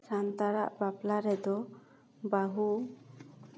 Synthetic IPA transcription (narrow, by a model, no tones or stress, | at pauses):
sant̪aɾa̰ʔbaplaɾɛd̪ɔ | baɦu